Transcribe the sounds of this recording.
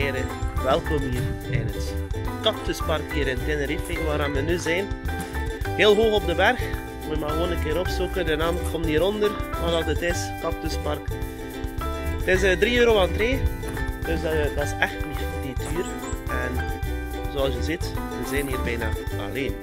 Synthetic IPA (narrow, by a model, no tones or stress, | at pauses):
ɾəʋɛlˠkomiːrɛ̰dənskɑp̚tøspɑrkhiːɾɪntɪnəɾifɪŋʋaːɾanʋənyzɛjn | heːlˠɦoːxɔb̚dəbɛrx | mutmaɣəʋoːnənkeːɾɔpsukədənɑːmkʰɔmtiːɾɔndərʋɑdɑdətɪskɑp̚tøspɑrk | tɪs̬ədriːøːɾoːvɑntreː | d̥øsdɑsɛxtiditʰyːɾ | ɛn | zoɑlˠsjəzɪt | ʋəzɛːnɦiːrbɛjna̰ɑ̰leːn